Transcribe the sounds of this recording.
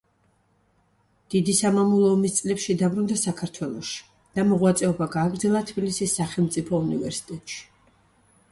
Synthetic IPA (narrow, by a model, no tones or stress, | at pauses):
d̪̥id̪isamamulˠɔːmist̪sʼlɛpʃid̪abɾund̪asakʰaɾt̪ʰwɛlˠɔ̰ʃi̥ | d̪̥amɔʁwat̪sʼɛɔbaɡaːɡɾd̪zɛlˠat̪ʰbilisisːaχɛlˠmt̪sʼipʰɔunivɛ̰ɾsi̥t̪ʼɛt̪ʼʃi̥